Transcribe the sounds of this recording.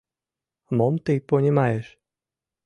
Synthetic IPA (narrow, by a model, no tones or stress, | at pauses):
mɔmt̪ɨjpɔnʲimajɛʃ